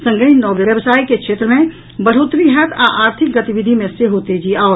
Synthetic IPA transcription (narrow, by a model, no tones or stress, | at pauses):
sə̃ŋɡəinɔːʋjəəbsaːikekʰeːt̪ɾəmẽ | bəɽ̤ot̪ɾiɦɛt̪ʰa̰ʔaːɾt̪ʰɪk̚ɡət̪iʋid̪ʱimẽseɦot̪ed͡ʒiaɔɾ